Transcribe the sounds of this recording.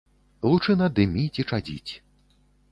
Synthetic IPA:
lˠut͡ʂɨnɐd̪ɨmʲit͡sʲit͡ʂad͡zʲḭt͡sʲ

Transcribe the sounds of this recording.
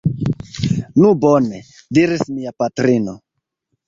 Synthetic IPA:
nubone | diɾismiapatɾino̞̰

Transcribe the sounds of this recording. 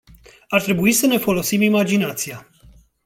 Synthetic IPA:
art̪ɾe̞buisəne̞fo̞lo̞simimad͡ʒinat̪sija

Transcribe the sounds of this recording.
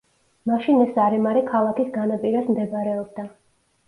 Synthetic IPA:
maʃinɛsaɾɛmaɾɛkʰalˠakisɡanapʼiɾasmd̪ɛbaɾɛɔb̚d̪a

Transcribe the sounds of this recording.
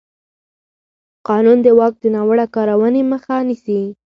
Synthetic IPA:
qɑnund̪əwɑk̚d̪ənɑwəɽakɑɾawəneməxanisi

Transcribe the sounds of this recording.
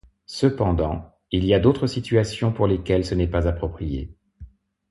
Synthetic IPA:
səpɑ̃d̪ɑ̃ | iliad̪ot̪χəsit̪yasjɔ̃puʁlekʲɛlsənɛpazapχɔpχijḛ

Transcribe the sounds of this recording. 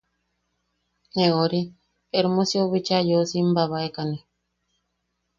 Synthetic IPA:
neoɾi | eɾumosioβit͡ʃajosimbaβaekani

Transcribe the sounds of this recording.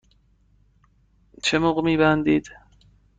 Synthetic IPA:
t͡ʃʰemoɣmiːbænd̪iːd̪̥

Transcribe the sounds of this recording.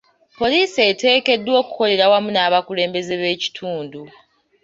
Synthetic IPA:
po̞liːsete̞ːke̞dːwo̞ːku̥ko̞le̞ɾawamunaːβakule̞ːmbe̞ze̞βe̞ːci̥tʰuːndu

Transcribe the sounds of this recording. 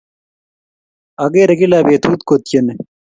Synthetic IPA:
ɐɡeːɾɐɡilaːbeːt̪ʰuːt̪̚kot̪jɐne

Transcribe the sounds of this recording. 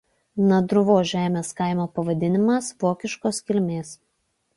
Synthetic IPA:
nɐd̪ɾʊʋoːʒʲæːmʲeːskɑˑɪmoːpɐʋɐd̪ʲɪnʲɪmɐsʋoːkʲɪʃkoːskʲɪlʲmʲeːs

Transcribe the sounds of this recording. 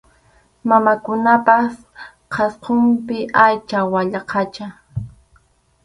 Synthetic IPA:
mamakʊnapas | qʰɑsqompɪʔajt͡ʃawaʎɑqʰɑt͡ʃa

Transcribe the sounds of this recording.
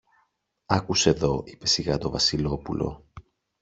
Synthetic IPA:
ɐkuse̞ðo̞ipe̞siɣɐt̪o̞vɐsilo̞pulʔo̞̰

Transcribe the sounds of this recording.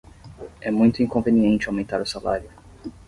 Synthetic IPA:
ɛmũj̃t̪ʊĩŋkõveniẽnt͡ʃɪawmẽnt̪aɾʊsalaɾjʊ

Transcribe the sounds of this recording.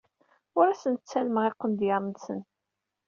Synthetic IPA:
ʊɾæsənt̪t͡sːælməʁeqːənd̪jɑɾˤnsə̰n

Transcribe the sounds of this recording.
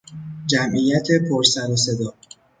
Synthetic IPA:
d͡ʒæmʔijæt̪ʰe̞pʰoɾsæɾose̞d̪ɒː

